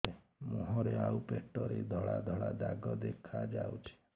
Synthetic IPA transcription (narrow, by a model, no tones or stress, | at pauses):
e | muɦɔɾeawpeʈɔɾed̪ʱɔɭad̪ʱɔɭad̪aɡɔd̪ekʰad͡ʒawt͡ʃʰi̥